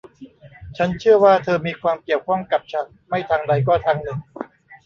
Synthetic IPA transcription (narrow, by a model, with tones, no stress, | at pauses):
t͡ɕʰa˦˥nt͡ɕʰɯ˥˩ɐwaː˥˩t̪ʰɤː˧miː˧kʰwaː˧mki˨˩əwkʰɔ˥˩mka˨˩p̚t͡ɕʰa˨˩t̚ma˥˩jt̪ʰaː˧ŋda˧jkɔː˥˩t̪ʰaː˧ŋnɯ˨˩ŋ